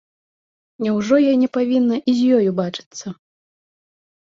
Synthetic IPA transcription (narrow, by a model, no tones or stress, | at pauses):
nʲɛwʐɔjɔjnʲɛpavʲinːɐʔizʲjɔjubat͡ʂɨ̥t̪sːɐ